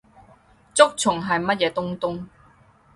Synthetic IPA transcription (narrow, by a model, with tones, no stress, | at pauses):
t͡sʊ˥k̚t͡sʰʊ˨˩ŋɦɐ˨jmɐ˥t̚jɛː˨˧t̪ʊ˥ŋt̪ʊ˥ŋ